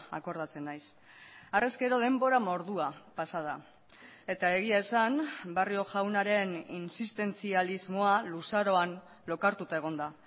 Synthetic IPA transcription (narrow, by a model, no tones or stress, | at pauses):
a̰ko̞ɾð̞at͡se̞nːajs | areske̞ɾo̞ðe̞mbo̞ɾamo̞ɾðuapasað̞a | e̞t̪ae̞ɣ̞iae̞sanbario̞ʝawnaɾe̞ninsist̪e̞nt͡sializmoalusaɾo̞an | lo̞kaɾt̪ut̪ae̞ɣ̞o̞nd̪a